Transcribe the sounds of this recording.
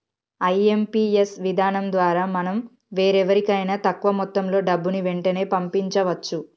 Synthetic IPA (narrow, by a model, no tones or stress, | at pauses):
ɐjempiːesʋid̪ʱaːnɐmd̪ʋaːɾaːmɐnɐm | ʋe̞ːɾɛʋɐɾikɐjnɐt̪ɐkːʋɐmɔt̪ːɐmlo̞ːɖɐbːuniʋeɳʈɐne̞ːpɐmpiɲt͡ʃɐʋɐt͡ʃːu